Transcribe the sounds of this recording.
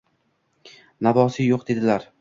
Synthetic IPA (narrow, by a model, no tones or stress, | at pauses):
nabɒsɪjoq̚d̪e̞d̪ɪlaɾ